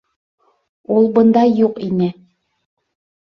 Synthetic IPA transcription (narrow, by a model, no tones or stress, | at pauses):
ulˠbɤ̆nd̪ɑjːuqinɘ